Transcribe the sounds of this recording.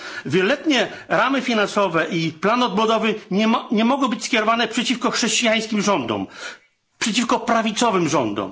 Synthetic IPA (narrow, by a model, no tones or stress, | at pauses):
vʲjɛlɔlɛt̪ɲɛ | ɾamɘfʲinansɔvɛʔiplanɔd̪̚bɔd̪ɔvɘɲɛmɔɡɔ̃bɘt͡ɕʲskʲɛɾɔvanɛpʂɛt͡ɕifkɔxʂɛɕt͡ɕijaj̃skʲimʐɔnd̪ɔ̰m | pʂɛt͡ɕifkɔpɾavʲit̪sɔvɘmʐɔnd̪ɔ̰m